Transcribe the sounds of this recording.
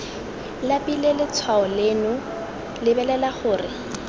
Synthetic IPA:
lapilelɪt͡sʰwaɔlenʊ | lɪbɛlɛlaχʊːrɪ

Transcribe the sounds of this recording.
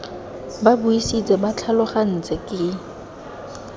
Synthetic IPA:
babuisit͡sʼɛmat͡ɬʰalʊχan̩t͡sʼɛkʼɪ

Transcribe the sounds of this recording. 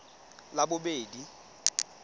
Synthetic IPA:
labʊbeːdi

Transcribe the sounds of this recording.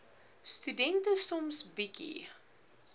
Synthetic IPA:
st̪ydɛntəsɔmsbikḭ

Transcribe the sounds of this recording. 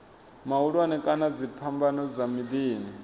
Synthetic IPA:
mauɺwanɛkʼanad͡zipʰambanɔzamid̪iːni

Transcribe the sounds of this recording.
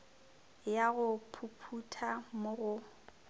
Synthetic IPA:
jaɣʊpʰupʰutʰamʊɣʊ

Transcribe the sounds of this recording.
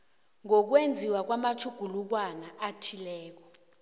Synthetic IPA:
ŋɔk̬wend͡zʱiwak̬wamat͡ʃʰuɡ̥ʱuluk̬wanaatʰilɛːk̬ɔ

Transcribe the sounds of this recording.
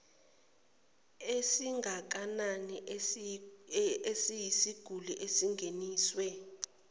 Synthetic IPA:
esiŋʱak̬anani | esijisiɡ̥ʱuliʔesiŋɡʱeniːswɛ

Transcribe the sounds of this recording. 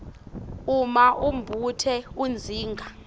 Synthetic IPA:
umaʔumbʱutʰɛund͡zʱiːŋɡʱa

